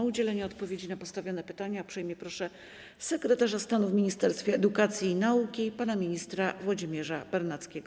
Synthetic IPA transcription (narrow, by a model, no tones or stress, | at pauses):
ud͡ʑɛlɛɲɛɔt̪pɔvʲjed͡ʑinapɔst̪avʲjɔnɛpɘt̪aɲapʂɛjmjɛpɾɔʂɛ | sɛkɾɛt̪aʐast̪anuvmʲiɲist̪ɛɾst̪fʲɛɛd̪ukat̪sʲjiːnaukʲipanamʲiɲist̪ɾavwad͡ʑimʲjɛʐabɛɾnat̪skʲeɡɔ